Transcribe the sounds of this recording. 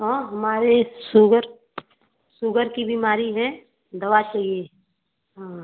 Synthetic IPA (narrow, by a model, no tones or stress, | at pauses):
ɦãɦəmaːɾesuɡəɾ | suɡəɾkibimaːɾiɦɛ | d̪əʋat͡ʃaːɦie | ɦã